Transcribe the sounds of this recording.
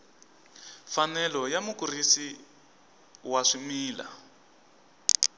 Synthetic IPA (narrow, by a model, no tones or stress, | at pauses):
fanɛlɔjamukuɾisi | waʂimiːla̰